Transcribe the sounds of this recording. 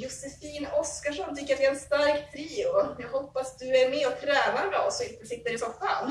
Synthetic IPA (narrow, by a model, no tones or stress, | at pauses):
jʊsɛfiːnɔskaʂɔmt̪ʰʏkːəɾat̪ɛɛnst̪aɾkt̪ʰɾiːʊat̪jahɔpːasd̪ɵæɾmɛːɔt̪ʰɾɛːnaɾmɛ̰ɔsːɔɪlt̪ːəsɪt̪ːəɾɪsɔmfa̰ːn